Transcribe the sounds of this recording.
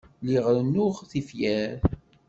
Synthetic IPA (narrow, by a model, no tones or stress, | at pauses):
liʁɾnʊʁθifjæɾ